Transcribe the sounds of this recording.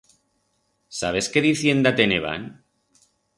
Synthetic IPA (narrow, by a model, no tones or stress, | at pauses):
saβ̞e̞ske̞ðiθje̞nd̪at̪eneβ̞a̰n